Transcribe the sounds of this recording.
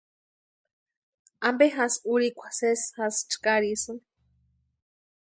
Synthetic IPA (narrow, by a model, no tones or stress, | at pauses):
ambeɦasuɾikʷʰḁseshast͡ʃkaɾisɨn